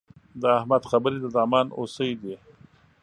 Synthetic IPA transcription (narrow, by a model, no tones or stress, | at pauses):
d̪əahmad̪xabəɾid̪əzɑːmɑːno̰səjd̪i